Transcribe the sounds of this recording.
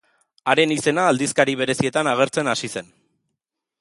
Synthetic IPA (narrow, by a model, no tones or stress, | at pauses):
aɾe̞nise̞naːld̪iskaɾiβ̞e̞ɾe̞sie̞t̪anaɣe̞ɾt͡senasise̞n